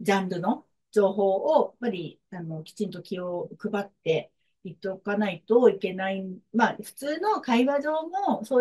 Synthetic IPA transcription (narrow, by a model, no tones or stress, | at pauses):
d͡ʑãmbɯ̟no̞ | d͡ʑo̞ːɦo̞ːojapːaɾʲi | ano̞kʲi̥t͡ɕĩnt̪o̞kʲiokɯ̟bat̪ːe̞ | it̪ːokanait̪oike̞naimaɸɯ̟̥t͡sɨːno̞kaiβaʑo̞ːmo̞soː